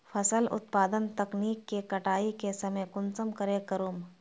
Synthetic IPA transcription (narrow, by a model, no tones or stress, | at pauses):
fʰɐsəlʊ̰t̪paːd̪ənt̪ɐkniːkːekɐʈaːikesɐməjkʊnsəmkəɾekɐɾuːm